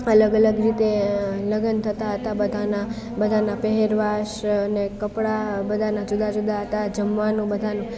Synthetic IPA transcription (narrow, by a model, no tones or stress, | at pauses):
ələɡələɡɾit̪eləɡənt̪ʰət̪aɦət̪abəd̪ʱana | bəd̪ʱanapɛɦeɾʋaʃənekəpɽabəd̪ʱanad͡ʒud̪ʱad͡ʒud̪ʱaɦət̪ad͡ʒəmʋanũbəd̪ʱanũ